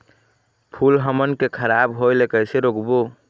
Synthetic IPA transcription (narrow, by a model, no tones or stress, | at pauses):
pʰulɦəmənkekʰəɾabɦojlekəseɾokbo